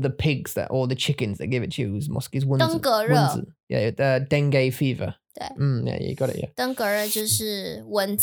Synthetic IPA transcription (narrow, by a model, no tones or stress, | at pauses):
ðəpʰɪɡz̥ðə̰ʔɔlˠðət͡ʃʰɪkɨ̃nzðəʔ̚ɡ̥ɪvɪtʰʉzmɒ̰skizwʊ̃nəŋkəɹʊ̃ə̃nzə̰njæ̰əd̥ɛ̃ŋɡeɪfiːvə̰t̪wḛɪm̩jæ̰jə̰ɡɒɾɪ̰ʔjæ̰t̪əŋɡəɻət͡ɕjoʊʂɻ̩wənz